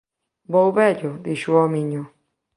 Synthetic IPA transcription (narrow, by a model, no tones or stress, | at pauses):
βoʔuβejod̪iʃuomĩɲõ